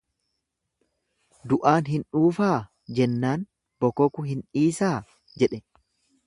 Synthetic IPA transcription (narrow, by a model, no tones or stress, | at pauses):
d̪ʊʔaːnɦɪnᶑuːfaː | d͡ʒɛnːaːn | b̥ɔkɔkʊɦɪniːsaː | d͡ʒɛᶑɛ